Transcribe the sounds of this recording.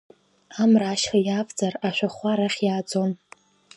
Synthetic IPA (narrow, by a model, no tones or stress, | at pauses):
amraːʃχajaːvd͡zaraʃʷᶣaχʷaɾaχʲjaːd͡zo̞n